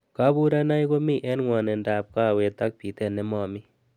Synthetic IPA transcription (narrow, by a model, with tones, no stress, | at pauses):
ka˦bu˦ɾa˦na˦jko˦mi˦˨ʔɛ˦nŋwɔ˨nɛ˨nda˨p̚ka˦˨we˧t̪a˦k̚pi˨tɛ˦˨nɛ˦mɔ˨mi˦